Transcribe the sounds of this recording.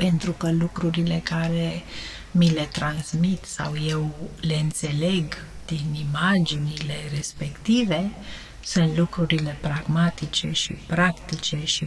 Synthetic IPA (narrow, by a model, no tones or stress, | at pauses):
pe̞nt̪ɾukəlukɾuɾile̞kaɾe̞ | mile̞t̪ɾansmit̪sa̰wje̞wle̞ɨnt̪se̞le̞ɡ | d̪̥inimad͡ʒinile̞respe̞kt̪ive̞ | sunt̪lukɾuɾile̞pɾaɡmat̪it͡ʃe̞̰ʃḭpɾakt̪it͡ʃe̞ʃi